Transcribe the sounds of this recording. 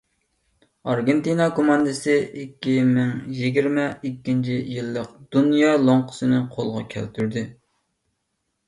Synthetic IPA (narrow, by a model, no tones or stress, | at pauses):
ɑɾɡʲent̪inɑkomɑnd̪ɨsɨikʲːimɪŋjiɡʲiɾmɛikʲːint͡ʃʰijilːəq̚d̪̥unjɑːlˠoɴqʰə̥sɨnɨqʰolˠʁɑ̰kʲʰæ̰lt̪ʰyɾd̪ɪ